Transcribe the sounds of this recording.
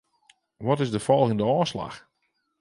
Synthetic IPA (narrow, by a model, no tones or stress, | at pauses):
ʋɔtɪzdəfɔlˠɪndəɔːsla̰x